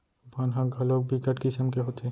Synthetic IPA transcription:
bʱanɦãɡʱɐlok̚bʱikəʈkɪsəmkeɦot̪ʰe

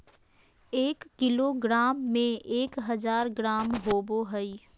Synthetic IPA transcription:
eːkːɪloɡɾaːmːẽeːkɦəzaːɾɡɾaːmɦoːboɦəi

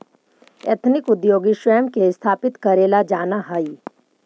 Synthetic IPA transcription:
ḛt̪ʰnɪkʊd̪joːɡiʃwəjəmkest̪ʰaːpɪt̪kɐɾeːlad͡ʒaːnaɦai

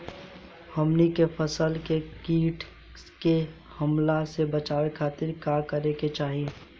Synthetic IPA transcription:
həmnikepʰəsəlkekiːʈʰ | ke | həmlasebət͡ʃaːʋekʰaːt̪ɪɾkakəɾeket͡ʃaːɦie

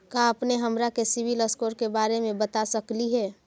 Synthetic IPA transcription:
kaəpneɦəmɾakesɪʋiləskoːɾkebaːɾemẽbət̪asəkliɦɛː

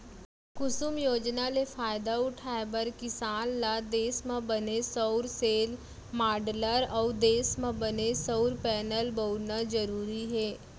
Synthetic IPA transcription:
kʊsʊmjoːd͡ʒnalefʰaːjd̪aʊʈʰaːebəɾkɪsaːnːad̪eːsmə̃bənesəʊɾseːl | maːɖləɾɔːd̪eːsmə̃bənesəʊɾpɛːnəlbəʊnad͡ʒəɾuːɾiɦɛː

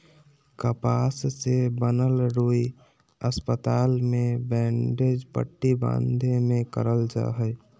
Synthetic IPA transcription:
kəpaːssebənəlɾuːi | əspət̪aːlmẽbɛ̃ːɳɖed͡ʒpə̰ʈːibã̰ːnd̪ʱemẽkə̰ɾəld͡ʒa̰ɦəj

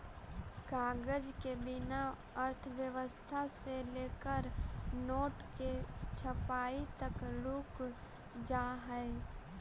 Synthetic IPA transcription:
kaːɡəd͡ʒkebɪna | əɾt̪ʰəʋjəʋəst̪ʰaseleːkəɾnoːʈket͡ʃʰəpaːit̪əkluːk | d͡ʒaːɦɛe

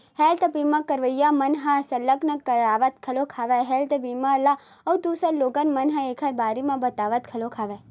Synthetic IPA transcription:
hɛːlt̪ɐbiːmãkəɾʋəjamɐnɦãsɐlːəknəkːɐɾaːʋət̪kʰɐlokʰaːʋɛɦɛːlt̪əbiːmala | ɐwd̪uːsəɾloːɡənmɐnɦãeːkʰəɾbaːɾemãbɐt̪aːʋət̪̚kʰɐlokʰaːʋɛ

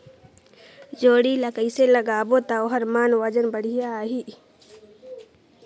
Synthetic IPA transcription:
d͡ʒoːɽiləkəiseləɡaːbot̪aoɦəɾmaːnwəd͡ʒənbəɽ̤ijaɦiː

